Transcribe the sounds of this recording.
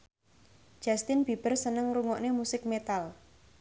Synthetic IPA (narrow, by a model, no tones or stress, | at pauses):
d͡ʒ̥a̤st̪ɪnb̥i̤b̥ə̤rsənəŋruŋɔʔnemusɪk̚met̪al